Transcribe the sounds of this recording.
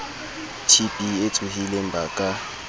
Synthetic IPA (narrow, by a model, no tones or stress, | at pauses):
tʰib̥ʱʼiet͡sʰʼuɦilɛmbʱaːkʼa